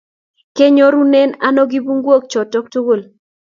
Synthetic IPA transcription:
ke˦ɲo˦ɾu˦nɛ˦na˦nɔ˦ɡi˦bu˦ŋɡwo˦k̚t͡ʃɔ˨tɔ˦k̚tu˦ɡo˦˨l

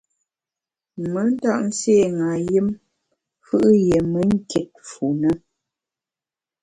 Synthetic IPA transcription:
mə˦n̩˦ta˦ʔn̩˦se˦˨ŋa˨ji˦m | fɯ˦ʔje˨mə˦ŋ̩˦kɛ˨t̚fu˨nə˦

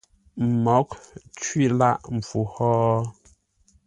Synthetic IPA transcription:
mɔ˨˦kt͡ʃwɥi˦˨la˦ʔm̩˨fu˨hɔː˦

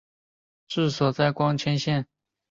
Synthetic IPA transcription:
ʈ͡ʂɻ̩˥˩swɔ˨˩t͡sa˥˩ɪkwɑ˥ŋt͡ɕʰɛ˥nɕjɛ˥˩˨n

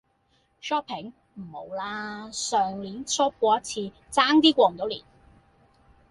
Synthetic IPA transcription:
ʃɔː˥pʰɪ˨˥ŋ | m̩˨˩ho˨˧wlaː˥sœː˨ŋliː˨˥nt͡sʰɔː˥p̚kʷɔː˧jɐ˥t̚t͡sʰiː˧ | t͡saː˥ŋt̪iː˥kʷɔː˧ŋ̩˨˩t̪o˨˥wlḭː˨˩n

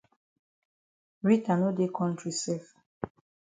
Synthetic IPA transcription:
ɹi˦ta˨no˦de˦kʰɔ̃˦ntɹi˨sɛ˦˨f

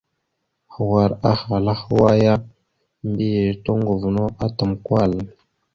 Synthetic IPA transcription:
xwa˨ɾa˦xa˨la˦xwa˦ja˦ | mbi˦je˨to˦ŋɡu˨vu˨no˦ʔa˦tə˨mkwa˦˨l

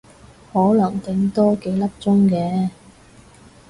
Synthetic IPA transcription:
hɔː˨˥lɐ˨˩ŋt̪ɪ˨˥ŋt̪ɔː˥ke˨˥jlɐ˥p̚t͡sʊ˥ŋkɛː˨˥

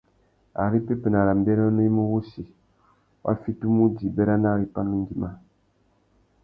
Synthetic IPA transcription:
a˨ɾi˦pe˦pɨ˨na˨ɾa˨m˨bɛ˦ɾa˦nu˦mu˦wu˦si˨ | wa̰˦fi˦tu˦mu˦di˨bɛ˦ɾa˦na˦˨ɾi˦pa˦nː˦u˦ŋ˦ɡi˦ma˦

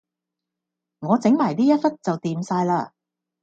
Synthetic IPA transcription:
ŋɔː˨˧t͡sɪ˨˥ŋmaː˨˩jt̪iː˥jɐ˥t̚fɐ˥t̚t͡sɐ˨wt̪iː˨msaː˧jlaː˧

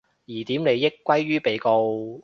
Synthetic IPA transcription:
jiː˨˩t̪iː˨˥mne˨˧jɪ˥kːʷɐ˥jɥyː˥pe˨jko˧w

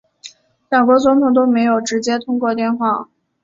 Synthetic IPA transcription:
ljɑ˨˩ŋkwɔ˧˥t͡sʊ˧˥ŋt̪ʰʊ˨˩ŋt̪̬o˥ʊme˧˥ɪjo˨˩ʊʈ͡ʂɻ̩˧˥t͡ɕjɛ˥t̪ʰʊ˥ŋkwɔ˥˧t̪jɛ˥˧nxwa˥˩

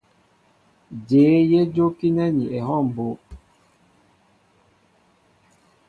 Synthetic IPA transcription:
d͡ʒeː˨˦je˦d͡ʒo˦ki˦nɛ˦ni˨ɛ˨hɔ˦˨m̩˨bo˨˦

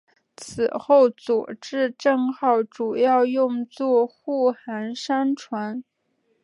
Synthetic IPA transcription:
t͡s̩ʰ˨˩xo˥˩ʊt͡swɔ̰˨˩ʈ͡ʂɻ̩˥˧ʈ͡ʂɤ˥˩ŋxɑ˥˩ʊʈ͡ʂu˨˩jɑ˥˧ʊjʊ˥˧ŋt͡swɔ˥˧xu˥˩xa˧˥nʂa˥nʈ͡ʂʰwa˧˥n

